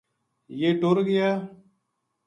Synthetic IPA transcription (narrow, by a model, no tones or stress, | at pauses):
jeːʈoɾɡɪjaː